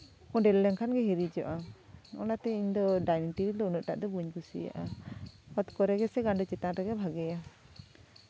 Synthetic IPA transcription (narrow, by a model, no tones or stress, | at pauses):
kɔ̃ɖɛlːɛŋkʰanɡɛɦiɾid͡ʒɔʔa | ɔ̰nat̪ɛiɲd̪ɔɖajniʈiid̪ɔnəʔʈa̰ʔd̪ɔbuɲkusḭja̰ʔa | ɔt̪kɔɾɛɡɛsɛɡaɳɖut͡ʃɛt̪ãʈaɡɛbʱaɡɛja